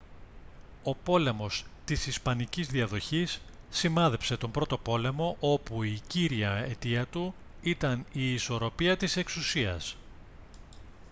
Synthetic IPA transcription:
o̞po̞le̞mo̞st̪isispɐnicizðiɐðo̞çisː | imɐðe̞pse̞t̪o̞mbɾo̞t̪o̞po̞le̞mo̞ʔo̞puiciɾiɐe̞t̪iɐt̪u | it̪ɐniːso̞ɾo̞piɐt̪ise̞ksusiɐ̰s

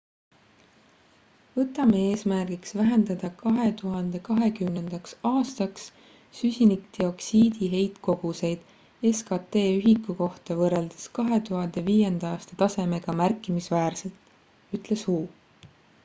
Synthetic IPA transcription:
vɤt̪ːˑɑmeeːsmærɡ̥iksvæɦe̞nd̪ɑd̪̥ɑkɑɦe̞t̪uɦɑnd̪̥e̞kɑɦe̞kymne̞nd̪̥ɑksɑːst̪ɑks | sysʲinikd̪̥io̞ksiːd̪̥iɦe̞jt̪ko̞ɡ̥use̞jd̪̥ | e̞skɑt̪ːe̞ːyɦikːˑuko̞ht̪ɑvɤre̞ld̪̥eskɑɦe̞t̪uɦɑnd̪̥e̞viːje̞nd̪̥ɑɑːst̪ɑ̥t̪ɑse̞me̞ɡ̥ɑmærkˑːimisvæːrse̞lt̪ | yt̪ˑle̞shuː

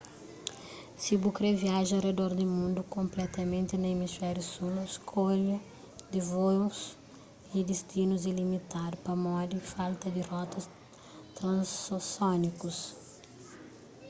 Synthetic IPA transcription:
sibukɾeviaʒɐred̪ɔɾd̪ɪmũnd̪ʊkõmplɛt̪ɐmẽnt̪ɪnɐemisfɛɾjusulskʰoʎɐ | d̪ɪvos | id̪ist̪inuzilimit̪aɾpɐmɔd̪ɪfalt̪ɐd̪ɪrɔt̪ɐs | t̪ɾɐ̃ssɔnikʊs

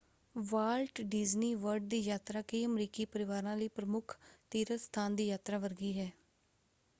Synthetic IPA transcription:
ʋaːlʈɖɪːzniːʋəɾɖ̚d̪iːjaːt̪ɾaːkəiːəmɾiːkiːpəɾɪʋaːɾãːləiːpɾəmʊkʰt̪iːɾəst̪ʰaːnd̪iːjaːt̪ɾaːʋəɾɡiːɦɛː

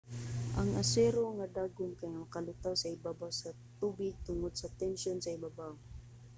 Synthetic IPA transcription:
ʔaŋasɛɾoŋad̪aɡʊmkajŋamɐkalʊt̪awsaɪbabawsa | t̪ubɪɡ̚t̪ʊŋod̪sat̪ɛnʃjonsaɪbabaʊŋ

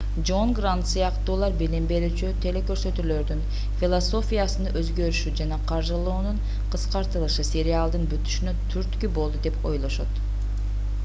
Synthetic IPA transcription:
d͡ʒo̞nɡrant̪sɨjɑqt̪uːlˠɑɾbilimbe̞ɾyːt͡ʃyt̪ʰe̞le̞køɾsø̞t̪ylø̞ɾd̪yn | fʲilˠoso̞fʲijasɯnɯʔøzɡø̞ɾyʃyd͡ʒɑnɑqʰɑɾʒɯlˠuːnuɴ | qʰɯsqɑɾt̪ɯlˠɯʃɯsʲe̞ɾʲɪalˠd̪ɯnbyt̪y̥ʃynøt̪ʰyɾt̪kybo̞lˠd̪ud̪e̞po̞̰jlˠo̞ʃot̪

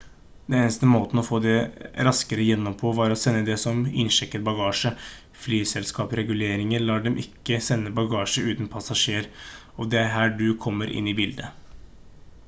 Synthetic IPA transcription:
d̪ɛneːnəst̪əmoːt̪n̩ɔfoːd̪ɛɾɑskəɾəjɛnːɔmpʰoːʋɑɾɔsɛnːəd̪ɛsɔmɪ̰nʂɛkːət̪̚bɑɡɑːʂə | flyːsɛlskɑːpɾɛɡʉleːɾɪŋəɾlɑːɖɛmʔɪkːəsɛnːəbɑɡɑːʂəʉːt̪n̩pʰɑsɑʂeːɾ | ɔʋd̪ɛæɦæːɖʉkʰɔmːəɾʔɪ̰nːɪbɪld̪ə

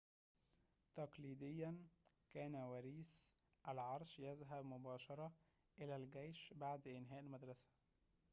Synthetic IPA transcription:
t̪ɑqliːd̪ɪjːænkæːnæwæɾiːsʔælʕɑɾˤʃjæzɦæbmʊbɑːʃɑɾˤɑ | ʔɪlæːlɡæjʃbaʕd̪ʔɪnɦæːʔlmæd̪ɾˤɑsæ̥

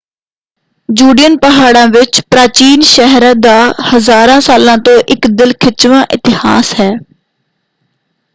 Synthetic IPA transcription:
d͡ʒuːɖɪjənpəɦaːɽãːʋɪt͡ʃpɾaːt͡ʃiːnʃɛɦɾaːd̪aːhəzaːɾãːsaːlãːt̪õːʔɪkd̪ɪlkʰɪt͡ʃʋãːʔɪt̪ɪha̰ːsɦɛː

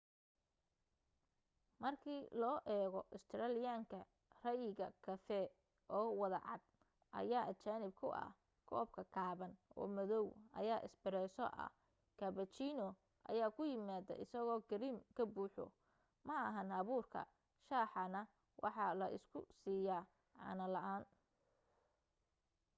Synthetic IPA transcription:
mɐrkʰiːlɔːʔɛːɣɔʔɪst̪ʰɪɾaːlɪjaːŋkʰɐ | rɐjɪɣɐkʰɐfɛ | ʔɔːwɐðɐ̰ʕɑd̪̚ | ʔɐ̰jaːʔɐt͡ʃaːnɪb̚kʰʊʔɐ̰h | kʰɔːb̚kʰɐkʰaːβɐnɔ̰ːmɐðɔwɐ̰jaːʔɪ̰sbɪɾɛjsɔ̰ʔɐ̰ | kʰɐβɐt͡ʃinɔ | ʔɐ̰jaːkʰʊjɪmaːðɐ̰ʔɪsɐɣɔːɡɪɾimkʰɐbuːħɔ̰ | mɐɐɦɐnɐβuːrkʰɐ̰ | ʃaːħɑnɐ | wʔɑ̰ħɑlɐʔɪ̰skʰʊ̰siːjaː | ʕɑ̰ːnɐlɐʔaːn

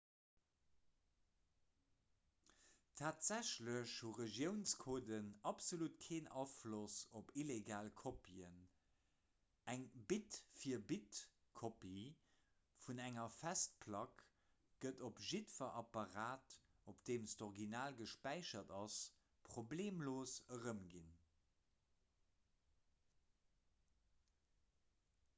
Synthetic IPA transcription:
tʰaːtz̥æɕləɕhuʁəʒjəʊnskʰoːdənɑpz̥olutkʰeːnʔɑːflosopileɡaːlkʰopʰiən | ʔæŋbitfiːɐbit | kʰopi | funæŋɐfæst̚pʰlɑk | ɡ̥ətopʒitfɐʔɑpɑʁaːt | opd̥eːmstoʁɡinaːlɡəʃpæɪʃɐdɑs | pχobleːmloːsəʁəmɡin

